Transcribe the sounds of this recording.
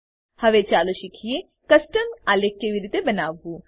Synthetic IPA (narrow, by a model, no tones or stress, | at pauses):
hɐʋet͡ʃaːloʃɪkʰije | kɐsʈəmaːlekːeʋiɾɪt̪ebɐnaːbu